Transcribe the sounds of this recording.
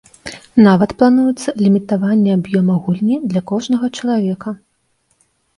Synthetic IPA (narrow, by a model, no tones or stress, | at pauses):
navɐt̪plˠanujɛt̪sːɐlʲimʲit̪avanʲːɛabjɔmɐɣulʲnʲid̪lʲɐkɔʐnɐɣɐt͡ʂɐlˠavʲɛkɐ